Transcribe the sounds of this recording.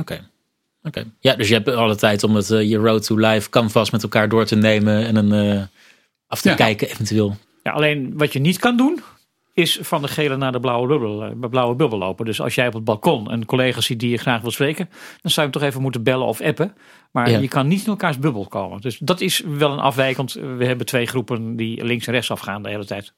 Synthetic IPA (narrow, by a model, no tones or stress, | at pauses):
oke | okejadɵsjəɦɛpɑlˠətɛjtɔmdɑtjəɹowtulajfkɑnvɑstmɛtɛlˠkaːɹdʊːɹtənejmənɛnənə | ɑftəkɛjkəevɛntyeːlˠ | ja̰ʔɑ̰lejnʋɑtjənitkɑndun | ɪsfɑndəχejlənaːdəblawəbøblblawəbøbəl̩ˠːo̰wpədɵsɑ̰lˠsjɛjɔpəd̚bɑlˠkɔnɛ̰nkolejχaːsit̚dijəχraːχʋɪlˠsprejkənd̥ɑnzɑwjəmtɔχejvəmutəbɛlə̰nɔ̰fɛpə | maːɹjəkɑnːitɪnɛlˠkaːɹzbɵbəlˠkowmə̰ndøsdɑtɪsʋɛlˠənʔɑ̰fʋɛjkɑntʋəɦɛbətʋejχrupəndilɪŋsɛnrɛχtsɑfχaːndəɦeːlətɛjt